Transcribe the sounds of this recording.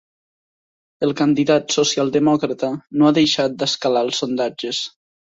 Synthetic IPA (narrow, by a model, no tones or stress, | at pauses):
əlˠkənd̪iðat̪sosialˠd̪əmɔkɾət̪ənoaðejʃat̪̚d̪əskalalˠsːond̪ad͡ʒəs